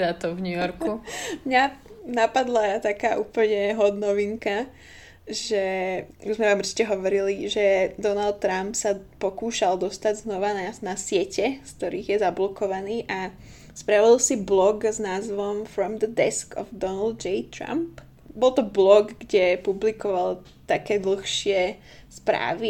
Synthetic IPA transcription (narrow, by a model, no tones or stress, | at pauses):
d̪at̪ɔvɲujɔɾkumɲanapad̪lat̪akaːʔuːpl̩ɲɛɦɔd̪nɔʋiŋka | ʒɛuzmɛʋamʊɾrt͡ʃi̥cɛɦɔʋɔɾiliʒɛd̪ɔnalt̪t̪ːɾampsapɔkuːʃald̪ɔst̪aɟznɔʋananasɪɛcɛsk̚t̪ɔɾiːɣjɛzablɔkɔʋaniːʔa | spɾaʋilsiblɔɡznaːzʋɔmfɾɔmd̪əd̪ɛskɔ̰vd̪ɔnald̪d͡ʒɛjt̪ɾa̰mp | bɔlˠt̪ɔblɔɡɡɟɛpublikɔʋal | t̪akɛːd̪l̩xʃɪɛ | spɾa̰ːʋi